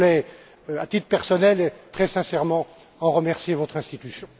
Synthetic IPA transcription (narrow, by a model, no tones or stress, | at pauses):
lɛ | at̪it̪pɛʁsɔnɛlet̪χɛsɛ̃sɛʁmɑ̃ | ɑ̃ʁəmɛʁsjevɔt̪χɛ̃st̪it̪ysjɔ̃